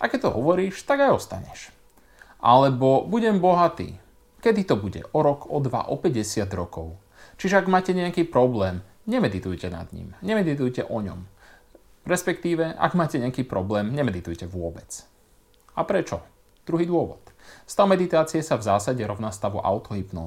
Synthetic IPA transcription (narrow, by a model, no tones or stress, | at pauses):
ʔakɛt̪ɔɦɔʋɔɾiːʃt̪aɡajɔst̪a̰ɲɛ̰ʃ | ʔa̰lɛbɔbuɟɛmbɔɦat̪ḭː | kɛd̪it̪ɔbuɟɛ̰ʔɔɾɔkʰɔd̪ʋa̰ʔɔpɛɟɛsɪad̪ɾɔkɔʊ | t͡ʃiʒɛaɡmaːcɛɲɛakiːpɾɔblɛːm | ɲɛmɛd̪it̪ujcɛna̰d̪ɲḭmɲɛmɛd̪it̪ujcɛʔɔɲɔ̰m | ɾɛspɛkt̪iːʋɛʔa̰ɡmaːcɛɲɛakiːpɾɔblɛːmɲɛmɛd̪it̪ujcɛʋʊɔbɛt͡s | apɾɛt͡ʃɔ | d̪̥ɾuɦiːd̪ʊɔʋɔ̰t̪st̪awmɛd̪it̪aːt͡siɛsavzaːsaɟɛɾɔʊnast̪aʋuʔa̰ʊt̪ɔɦipnɔ̰